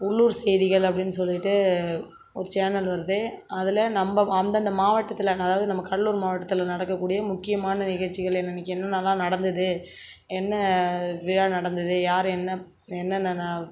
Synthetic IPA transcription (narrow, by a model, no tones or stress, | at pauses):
ʊɭːuːɾsɛjðɪɣɐɭɐpːɐɽɪnːɯsɔlːɪʈːɯ | ɔɾɯt͡ʃaːnɐlʋɐɾɐðɯɐðɪlɐnɐmbɐɐnd̪ɐnd̪ɐmaːʋɐʈːɐt̪ːɪlɐɐðaːʋɐðɯnɐmːɐkɐɭluːɾmaːʋɐʈːɐt̪ːɯlnɐɽɐkːɐkːuːɽɪjɐmʊkːɪjɐmaːnɐnɪɣɐɻt͡ʃːɪɣɐɭɛnːɐnɐkːɯɛnːɐnːaːlːãːnɐɽɐnd̪ɐðɯ | ɛnːɐʋɪɾaːnɐɽɐnd̪ɐðɯjaːɾɯ̃ɛnːɐ | ɛnːɐnːɐnːaː